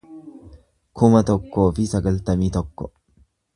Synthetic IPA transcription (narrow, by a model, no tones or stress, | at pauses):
kʰʊmɐt̪ɔkːofisɐɡɐlt̪ɐmit̪ɔkːɔ